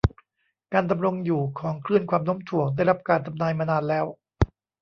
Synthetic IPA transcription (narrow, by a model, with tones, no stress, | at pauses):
kaː˧nda˧mɾo˧ŋjuː˨˩kʰɔː˩˦ŋkʰɾɯ˥˩ənkʰwaː˧mno˦˥mt̪ʰu˨˩ək̚da˥˩jɾa˦˥p̚kaː˧nt̪ʰa˧mnaː˧jmaː˧naː˧nlɛː˦˥w